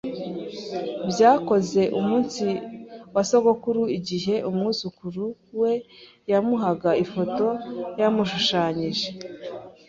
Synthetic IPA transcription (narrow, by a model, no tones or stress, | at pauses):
bjaːko̞ze̞ʔumuːnsiwasokokuɾuiɟiɦe̞ʔumŋuzukuɾuwe̞ | jamuɦaɡaifo̞to̞jamuʃuʃaːɲiʒe̞